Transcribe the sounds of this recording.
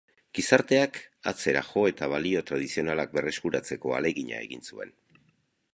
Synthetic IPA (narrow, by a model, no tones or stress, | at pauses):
ɡ̥isaɾt̪e̞akat͡se̞ɾaxo̞e̞t̪aβalio̞t̪ɾað̞isio̞nalak̚be̞re̞skuɾat͡se̞ko̞a̰le̞ɣiɲa̰e̞̰ɣḭnsue̞̰n